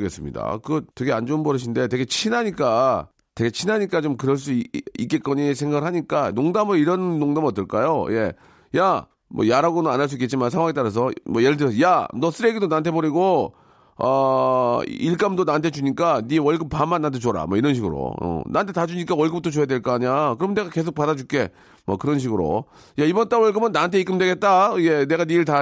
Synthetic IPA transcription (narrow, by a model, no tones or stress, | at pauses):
ɡe̞s͈ɯmɲḭda̰kɯɡʌt͈eɡeand͡ʑombʌɾɯɕʰinde̞te̞ɡe̞t͡ɕʰinaɲik͈a | te̞ɡe̞t͡ɕʰinaɲik͈at͡ɕomkɯɾʌɭs̬͈uik͈e̞k͈ʌɲis̬ʰe̞ŋɡaɡɯɭɦaɲik͈anoŋdamɯiɾʌnːoŋdamʌt͈ɯɭk͈ajoje̞ | ja | mʌ̰jaɾaɡonɯnanaɭs̬͈uik͈ːet͡ɕ͈imans̬ʰeŋwaŋet͈aɾas̬ʰʌmwʌjeɾdɯɾʌsjanʌs͈ʰɯɾeɡidonantʰebʌɾiɡo | ʌ | iɭk͈amdonantʰe̞d͡ʑuɲik͈aniwʌɭɡɯmpamːanːantʰet͡ɕwoɾa̰mwʌiɾʌnɕʰiɡɯɾo̰ʌ̰nʔa̰ntʰe̞tad͡ʑuɲik͈awʌɭɡɯm̚t͈ʰot͡ɕojadweɭk͈aːɲakɯɾʌmɯneɡake̞s̬ʰok̚padad͡ʑuk͈e̞ | mʌ̰kɯɾʌnɕ̬ʰiɡɯɾo̰ | jaibʌnt͈awʌɭɡɯmɯnːantʰeik͈ɯmdwe̞ɡe̞t̚t͈aɡe̞ne̞ɡaniɭta